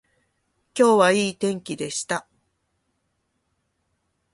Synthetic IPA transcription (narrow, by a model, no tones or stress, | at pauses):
kʲo̞ːβaiːt̪ẽ̞ŋkʲid̪e̞ɕi̥t̪a